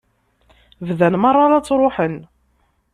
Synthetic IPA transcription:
vðænmɑrˤːɑɾɑt͡sːɾˤoħən

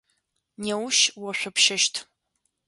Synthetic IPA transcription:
newʃwɔɕʷʊpʃɐʃtʰ

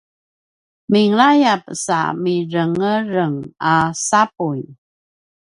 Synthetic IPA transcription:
miŋlajap̚sa̰miɾəŋəɾəŋasapuj

